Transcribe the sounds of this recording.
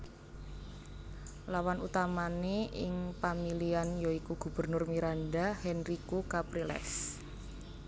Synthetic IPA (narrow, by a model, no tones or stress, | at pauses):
lawanut̪amaneʔɪ̰ŋpamilianjoikuɡ̥ṳb̥ə̤rnʊrmiɾanɖahɛnrikukapɾilɛ̰s